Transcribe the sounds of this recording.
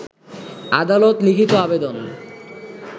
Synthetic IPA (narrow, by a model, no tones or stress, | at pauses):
a̰d̪alot̪likʰit̪oabed̪on